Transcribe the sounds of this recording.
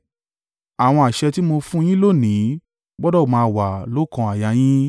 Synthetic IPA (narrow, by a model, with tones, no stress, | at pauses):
a˨w̃ɔ̃˧a˨ʃɛ˧ti˦mo˧fũ˦j̃ĩ˦lo˦˨nĩ˨˦ | bɔ˦dɔ˦˨mãː˧wa˨lo˨˦kã˧a˨ja˨˧j̃ĩ˦